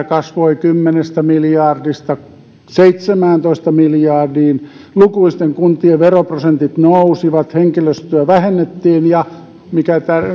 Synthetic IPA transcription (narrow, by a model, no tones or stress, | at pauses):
kɑsʋoikymːenest̪æmiljɑrdist̪ɑ | seit̪semæːnt̪oist̪ɑmiljɑːˑrdiːn | lukuist̪eŋkunt̪ˑieʋeroprosent̪it̪nousiʋɑt̪heŋkiløst̪yæʋæhenːet̪ːiːnjɑ | mikæt̪ær